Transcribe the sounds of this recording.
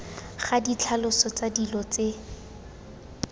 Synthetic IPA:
χadit͡ɬʰalʊsɔt͡sadilɔt͡se

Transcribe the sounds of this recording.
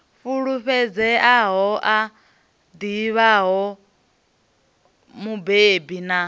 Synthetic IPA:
ɸuɺuɸɛd͡zɛʔaɦɔʔa | d̪iβaɦɔ | mubebina

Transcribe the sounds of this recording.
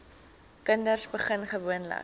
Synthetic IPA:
kəndərsbəχənχəvuənlə̰

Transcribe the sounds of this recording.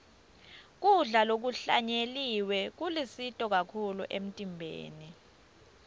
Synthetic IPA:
k̬uɮalok̬uɬa̰ɲeliwɛk̬ulisitʼɔk̬akʰuluʔem̩tʼimbʱḛːni

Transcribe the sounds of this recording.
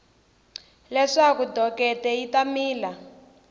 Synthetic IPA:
lɛʂakudʱɔkɛtɛitamiːla

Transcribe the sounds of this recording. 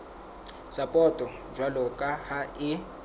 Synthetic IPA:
sapʼɔtʼɔ | d͡ʒwalɔkʼahaɪ

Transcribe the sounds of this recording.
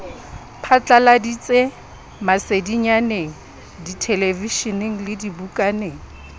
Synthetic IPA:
pʰat͡ɬʼaladit͡sʼe | masediɲaneŋ̩ | ditʰeleviʃɔneŋ̩lɪdibukʼaneːŋ̩

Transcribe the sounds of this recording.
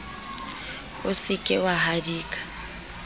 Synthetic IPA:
ʊsɪkʼɪwaɦadiːkʼḁ

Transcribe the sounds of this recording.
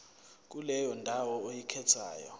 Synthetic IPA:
k̬ulɛjɔndʱawɔojikʰɛtʰa̰ːjɔ̰

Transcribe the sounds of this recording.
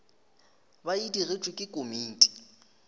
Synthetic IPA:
baidirɪt͡ʃʼwɪkʼɪkʼomiːtʼi̥

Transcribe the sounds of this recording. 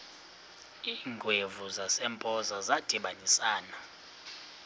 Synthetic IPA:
iːŋɡʱwevuzasɛmpʼɔzazad̥ʱiɓanisaːna

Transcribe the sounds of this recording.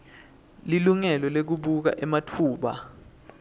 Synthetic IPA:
liluŋɛlɔlek̬uɓuk̬a̰ʔɛmatʰuːɓa

